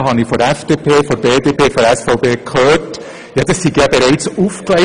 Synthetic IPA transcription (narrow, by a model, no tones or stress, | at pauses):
ɦɑnifɔɾɛfd̥epʰeːfɔɾbeːdepʰeːfɔɾɛsfaʊpeːkʰhøːt | jɑːd̥ɑsːiɡjabeɾaɪt͡sufkleɪ